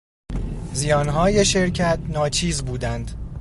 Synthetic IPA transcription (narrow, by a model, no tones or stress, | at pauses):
zijɒːnɦɒːje̞ʃe̞ɾcʰæt̪̚nɒːt͡ʃʰiːzbuːd̪ænd̪̥